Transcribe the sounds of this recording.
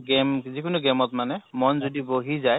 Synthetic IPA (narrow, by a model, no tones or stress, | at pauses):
ɡɛmzikʊnʊɡɛmɔtmanɛmɔnzodiboɦizaj